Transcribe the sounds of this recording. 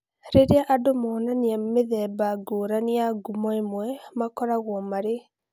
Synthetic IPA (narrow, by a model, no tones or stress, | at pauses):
ɾeɾeaʔadomɔːnaniameðɛbaɡoːɾaniaɡumɔemwɛmakɔɾaɣwɔmaɾe